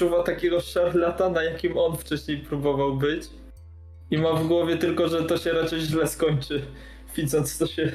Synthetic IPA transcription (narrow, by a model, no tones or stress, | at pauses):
uvat̪akʲɛɡɔʂaɾlat̪anajakʲimɔnft͡ʂɛɕɲejpɾubɔvawbɘt͡ɕ | imavɡwɔvʲjɛt̪ɘlkɔʐɛt̪ɔɕɛɾat͡ʂɛjʑlɛskɔɲt͡ʂɘ | vʲid̪zɔnt̪st̪ɔɕɛ